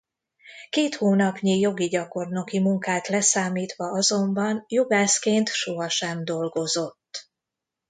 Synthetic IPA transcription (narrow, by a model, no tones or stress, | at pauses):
keːt̪hoːnɒpɲijo̞ɡiɟɒko̞rno̞kimuŋkaːt̪lɛsaːmiːt̪ʋɒɒzo̞mbɒnjoɡaːskeːnt̪ʃoɦɒʃɛmd̪o̞lɡo̞zo̞t̪ː